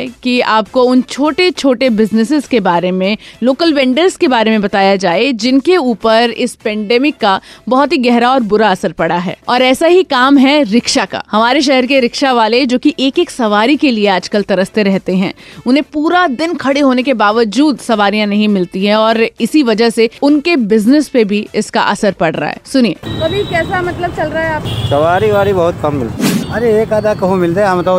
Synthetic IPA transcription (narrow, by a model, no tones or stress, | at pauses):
kiaːp̚koʊnt͡ʃʰoːʈet͡ʃʰoːʈebɪznɪsɪzkebaːɾemẽloːkəlʋɛ̃ːɳɖəɾzkebaːɾemẽbɐt̪aːjad͡ʒaːed͡ʒɪnkeuːpəɾɪ̰spɛ̃ːɳɖɛːmɪkːabɐɦɔt̪ɦiɡɛɦɾaɔːɾbʊɾaɐsəɾpɐɽaɦɛ̰ːɔːɾɛːsaɦikaːmɦɛɾɪkʃaka̰ːhɐmaːɾeʃ̬ɛɦəɾkeɾɪkʃaʋaːled͡ʒoːkiʔeːkeːksɐʋaːɾikelieaːd͡ʒkəlt̪ɐɾəst̪eɾɛɦt̪eɦɛ̃ːʊnɦẽpuːɾad̪ɪnkʰɐɽeɦoːnekebaːʋəd͡ʒuːd̪sɐʋaːɾijãnɐɦĩmɪlt̪iɦɛ̃ɔːɾɪsiʋɐd͡ʒəɦseʊnkebɪznɪspebʱiɪska̰ʔɐsəɾpɐɽɾa̰ɦɛ̰ːsʊnieɐbʱikɛːsamɐt̪ləb̚t͡ʃɐlɾaːɛaːp̚sɐʋaːɾiʋaːlibɐɦʊt̪̚kɐmːɪlt̪iɐɾeeːkaːd̪akɐɦũmɪlt̪eamt̪ə